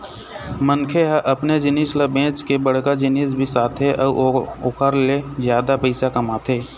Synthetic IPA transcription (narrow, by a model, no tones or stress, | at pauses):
mənkʰeɦəʔəpned͡ʒɪnislebẽːt͡ʃkebəɽkad͡ʒɪniːsbʱisaːt̪ʰeʔɔːokʰəɾlezjaːd̪apəɪsakɐmaːt̪ʰeː